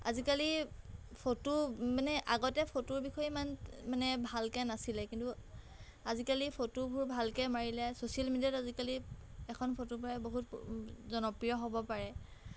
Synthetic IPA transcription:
a̰zikali | pʰotumanɛʔaɡɔtɛpʰotuɹbixʰɔjɛimanmanɛbʱalkɛnasilɛkintu | azikalipʰotubʱuɹbʱalkɛmaɹilɛsosialmidiatazikaliɛkʰɔnpʰotupɔɹɛboɦutzɔnɔpɹijɔɦɔbɔpaɹɛ

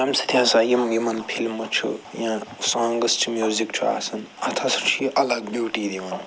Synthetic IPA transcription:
ɾɐmsɐt̪ʰiaːsaːjimɡimɐnpʰilmːɐt͡ʃʰṵjãsãːŋɡɐst͡ʃʰimʲjuzikt͡ʃʰua̰ːsɐn | ɐt̪ʰasɐt͡ʃʰuiʔɐlɐɡ̚bjuːʈid̪imɐn

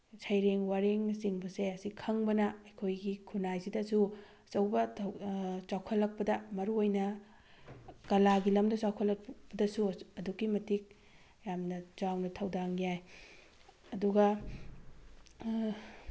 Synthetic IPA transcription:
sʰɐjɾeŋwaɾeŋsiŋbɐseɐsikʰɐŋbɐnɐɐjkʰojɡikʰunajsidɐsu | sɐwbɐtʰɐwsawkʰɐlːɐk̚pɐdɐmɐɾuojnɐ | kɐlaɡilɐmdɐsawkʰɐlːɐpɐdɐsuɐdukːimɐtik̚ | jamnɐd͡ʒawnɐtʰɐwdaŋijaj | ɐduɡɐ

